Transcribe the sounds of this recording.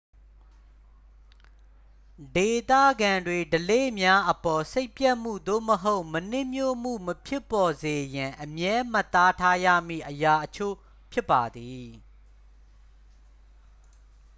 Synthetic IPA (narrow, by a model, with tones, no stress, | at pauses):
de˨t̪ä̰˦˨ɡã˨ndwe˨dəlḛ˦˨mja˦ʔəpɔ˨se˦ɪpjɛ˦ʔm̥ṵ˦˨d̪o̰˦˨məɦo˦ʊʔmən̥ɪ̃˦˨mjo˦˨m̥ṵ˦˨məpʰjɪ˦pːɔ˨ze˨jã˨ʔəmjɛ˦ma˦˨t̪a˦tʰa˦jä̰˦˨m̥ḭ˦˨ʔəja˨ʔət͡ɕʰo̰˦˨ | pʰjɪ˦pːa˨d̪i˨